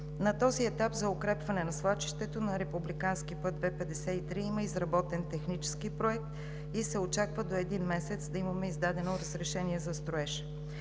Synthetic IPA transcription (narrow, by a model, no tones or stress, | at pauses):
nɐt̪ɔziɛt̪apzɐʊkɾɛpvɐnɛnɐslˠat͡ʃi̥ʃt̪ɛt̪onɐɾɛpublikanskipɤd̪̚d̪vɛpɛd̪ɛsɛit̪ɾiiməizɾɐbɔt̪ɛnt̪ɛxnit͡ʃɛ̥skipɾoɛk̚t̪ | isɛot͡ʃakvəd̪oɛd̪inmɛsɛt̪sd̪ɐimɐmɛizd̪ad̪ɛnoɾəzɾɛʃɛniɛzɐst̪ɾoɛʃɛ̥